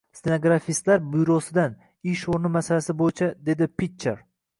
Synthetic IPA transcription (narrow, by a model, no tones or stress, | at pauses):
st̪enaɡɾafist̪laɾbʊjɾosɪd̪an | ɪʃoɾnɪmasalasɪbojɪt͡ʃʰad̪e̞d̪ɪpʰit͡ʃːḛɾ